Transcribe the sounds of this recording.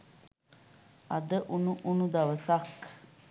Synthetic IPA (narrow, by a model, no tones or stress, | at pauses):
ɐd̪əʔunuʔunud̪aʋəsak